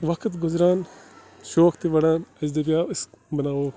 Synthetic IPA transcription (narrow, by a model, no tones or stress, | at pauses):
ʋɐkʰt̪ɡʊzɾaːn | ʃoːkt̪iʋɐɽãːnɐzd̪ebʲjaːɪsbɐnaːʋoː